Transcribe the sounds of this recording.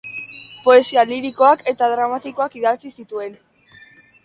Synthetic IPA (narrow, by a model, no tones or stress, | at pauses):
po̞e̞sialiɾiko̞ake̞t̪aðɾamat̪iko̞akiðat͡sisit̪ue̞n